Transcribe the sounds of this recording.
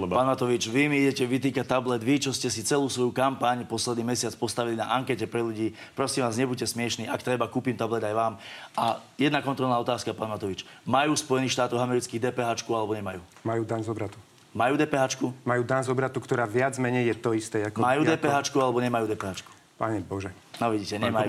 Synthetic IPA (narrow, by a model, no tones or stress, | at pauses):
paːnmat̪ɔʋit͡ʃʋimiiɟɛcɛʋit̪̬iːkat̪ablɛd̪ʋit͡ʃɔscɛsit͡sɛluːsʋɔjukampaɲpɔslɛd̪niːmɛsɪat͡spɔst̪aʋilina̰ʔaŋkɛcɛpɾɛluɟiːpɾɔsiːmʋaːzɲɛbucɛsmɪɛʃniːʔakt̪ɾɛbakuːpimt̪ablɛd̪ajʋaːmʔa | jɛd̪nakɔnt̪ɾɔlnaɔt̪aːskapaːnmat̪ɔʋit͡ʃmajuːspɔjɛniːxʃt̪aːt̪ɔʊɦamɛɾit͡skiːɣd̪ɛːpɛɦat͡ʃkualɛbɔɲɛmajuːmajuːd̪anzɔbɾat̪u | majuːd̪ɛːpɛɦaːt͡ʃkumajuːd̪anzɔbɾat̪ukt̪ɔɾaːʋɪad͡zmɛɲɛjjɛt̪ɔist̪ɛakmajuːd̪ɛːpɛɦat͡ʃkualɛbɔɲɛmajud̪ɛːpɛɦat͡ʃku̥ | paɲɛbɔʒɛ | nɔʋiɟiːcɛɲɛmaju